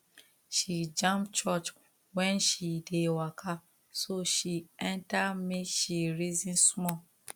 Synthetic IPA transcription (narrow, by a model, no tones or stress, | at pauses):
ʃid͡ʒãmpt͡ʃɔt͡ʃ | wɛ̃nʃidewakʰa | soʃiɛ̃ntamekʃiɹizĩnsmɔ